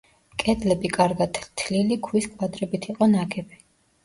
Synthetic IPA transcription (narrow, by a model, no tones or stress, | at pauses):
kʼɛd̪lɛbikʼaɾɡat̪ʰt̪ʰlilikʰwiskʼwad̪ɾɛbit̪ʰiqʼɔnaɡɛbi̥